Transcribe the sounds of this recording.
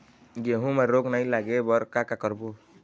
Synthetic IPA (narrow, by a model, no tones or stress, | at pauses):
ɡeɦũmaɾoɡnaĩlaɡebɔɾkakakɔɾbo